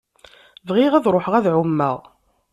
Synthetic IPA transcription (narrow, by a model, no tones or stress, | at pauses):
vʁɪʁæðɾˤoħəʁæðʕʊmːə̰ʁ